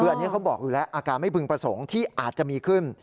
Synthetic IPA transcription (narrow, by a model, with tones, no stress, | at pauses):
ɯː˧ʔa˧nːi˦˥kʰa˦˥wbɔː˨˩k̚juː˧˩lɛ˦˥ʔʔaː˧kaː˧nma˥˩jpʰɯ˧ŋpɾa˧so˩˦ŋt̪ʰiː˥˩ʔaː˨˩t̪̚t͡ɕa˨˩miː˧kʰɯ˥˩n